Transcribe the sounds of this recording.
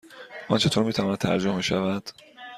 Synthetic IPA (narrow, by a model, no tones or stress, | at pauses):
ʔɒnt͡ʃʰe̞t̪ʰoɾmiːt̪ʰævɒːnæt̪t̪ːʰæ̰ɾd͡ʒomeʃævæd̪̥